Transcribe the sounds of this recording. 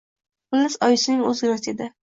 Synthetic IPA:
χʊlːɪsɒjɪsɪnɪŋɵzɡʲɾased̪ɪ

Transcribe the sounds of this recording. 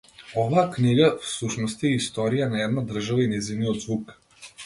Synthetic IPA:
ɔvaːkniɡafsuʃnɔst̪iɛist̪ɔɾijanaɛd̪nad̪r̩ʒavainɛzivnijɔd̪zvuk

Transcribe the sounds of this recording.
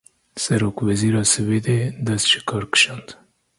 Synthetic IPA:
sɐɾokwaziɾɑsəwed̪ed̪asʃi̥kʰɑɾkʃɑnd̪

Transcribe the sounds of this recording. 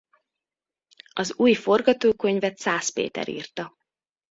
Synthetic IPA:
ɒzuːjfo̞rɡɒt̪oːkøɲvɛt̪saːspḛːt̪ɛ̰ɾḭːrt̪ɒ

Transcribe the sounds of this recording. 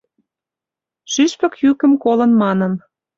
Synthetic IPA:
ʃyʃpə̆kjykə̆mkolə̆nmɑnə̆m

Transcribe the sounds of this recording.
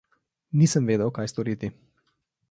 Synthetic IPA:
nisəmveːd̪əwkajst̪ɔɾit̪i

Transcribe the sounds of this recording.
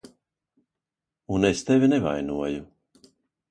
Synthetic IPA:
unest̪evʲineva̰jnuɔju

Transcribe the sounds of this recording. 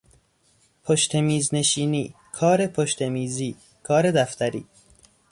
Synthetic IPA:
pʰoʃt̪ʰe̞miːzne̞ʃiːniː | kʰɒːɾe̞pʰoʃt̪emiːziː | kʰɒːɾe̞d̪æft̪æɾḭː

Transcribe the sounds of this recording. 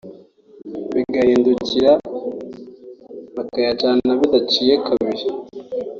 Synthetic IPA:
βiɡahiːnduciɾa | βakajat͡ʃannaβidat͡ʃijekʰaβiɾi

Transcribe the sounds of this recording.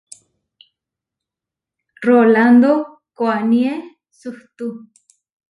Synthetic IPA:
roland̪o | koanie | suht̪u

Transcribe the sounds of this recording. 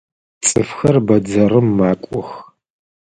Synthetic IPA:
t͡sʼɨfxɐrbɐd͡zɐrɨmːaːkʷʼɔx

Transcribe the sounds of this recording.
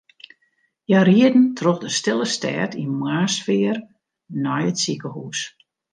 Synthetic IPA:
jariədn̩tʰroxdəstɪlˠəstɛ̰ːtʰinmwaːsfɪər | nɔjətsikəhuːs

